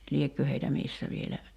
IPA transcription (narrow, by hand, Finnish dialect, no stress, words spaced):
liekːø heitæ misːæ ʋielæ